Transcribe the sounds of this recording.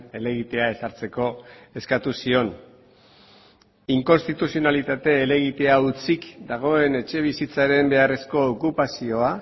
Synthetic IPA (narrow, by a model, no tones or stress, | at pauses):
e̞le̞ɣ̞it̪e̞ae̞saɾt͡se̞ko̞e̞skat̪usio̞n | iŋko̞nst̪it̪usio̞nalit̪at̪e̞ːle̞ɣ̞it̪e̞aut͡sikd̪aɣ̞o̞e̞ne̞t͡ʃe̞β̞isit͡saɾe̞mbe̞are̞sko̞ːkupasio̞a